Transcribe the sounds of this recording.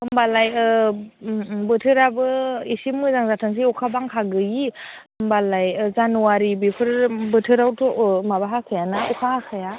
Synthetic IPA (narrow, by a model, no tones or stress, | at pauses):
kʰɯmbalaj | bɯtʰɯɾabɯisimŋɯzaŋzatʰaŋs̬iukʰabaŋkʰaɡɯjikʰɯmbalajzanuwaɾibipʰɯɾbɯtʰɯɾawtʰɔʔmabaɦakʰɯjanaʔukʰaakʰaja